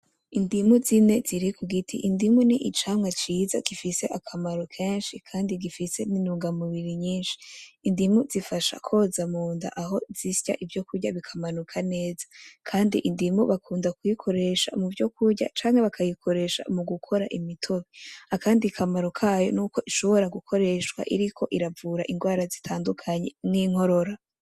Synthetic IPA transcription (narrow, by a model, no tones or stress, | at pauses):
indimuzine̞ziɾikuɡitʰḭʔindimuniʔit͡ʃaːmŋwat͡ʃiːza̰ɡ̥ifise̞ʔakʰamaɾokʰe̞ːnʃikʰaːndiɡifise̞ninuːŋɡamuβiɾiɲiːnʃi̥ːndimuzifaʃa̰kʰo̞zamuːnda̰ʔaɦo̞zisja̰ʔivjo̞kuɾɟaβikʰamanukʰane̞ːzḁkʰaːndḭʔindimuβakʰuːndakujikʰo̞ɾe̞ʃa̰muvjo̞kʰuɾɟa̰t͡ʃaːŋhe̞βakʰajikʰo̞ɾe̞ʃa̰muɡukʰo̞ɾaʔimitʰo̞βiakaːndikʰamaɾo̞kʰaːjo̞̰nuːko̞ʔiʃo̞βo̞ɾaɡukʰo̞ɾe̞ʃwa̰ʔiɾikʰo̞ʔiɾavuːɾaʔinɡwaːɾazitʰaːndukʰaɲe̞mŋiːŋ̥ho̞ɾo̞ɾa